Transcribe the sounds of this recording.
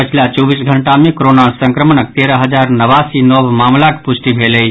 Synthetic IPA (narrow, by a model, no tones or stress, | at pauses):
ət͡ʃʰilat͡ʃɔʋisɡʱəɳʈamekɾonasə̃ŋkɾəməɳək̚t̪eɾəɦəd͡ʒaɾnəʋasinɔʋmamlakpʊsʈibʱeləi